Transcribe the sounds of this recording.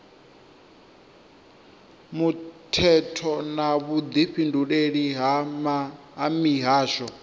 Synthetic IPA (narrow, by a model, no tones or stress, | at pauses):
mutʰɛtʰɔnaβud̪iɸindʱuɺeɺiɦamaː | miɦaːʃɔ